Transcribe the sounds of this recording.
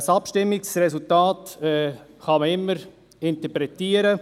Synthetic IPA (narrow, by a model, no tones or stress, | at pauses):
sɑpʃtɪmːɪksɾɛsultɑːtɛχɑməɪmːəɾ | ɪnt̪əpɾɛtiːəɾə